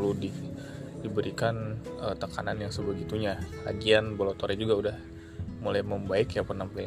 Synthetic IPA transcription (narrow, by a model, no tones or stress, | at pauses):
ludidibəɾikanət̪əkananjaŋsəbəɡit̪uɲaha̰ɡianbəlat̪oɾɛd͡ʒuɡaudah | mulajməmbaɪkjapərnampli